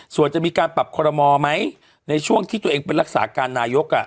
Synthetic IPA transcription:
su˨˩ənt͡ɕa˨˩ʔmiː˧kaː˧npa˨˩p̚kʰɔː˧ɾɔ˧mɔː˧ma˦˥j | na˧jt͡ɕʰu˥˩əŋt̪ʰi˥˩t̪u˧ʔeː˧ŋpe˧nɾa˦˥k̚sa̰ː˩˦kaː˧nːaː˧jo˦˥k̚ʔa˨˩ʔ

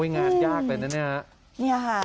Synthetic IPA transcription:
a˥˩ŋaː˧˩njaː˥˩k̚lɤː˧jna˦˥naː˥˩ha˦˥ʔ | a˧˩a˦

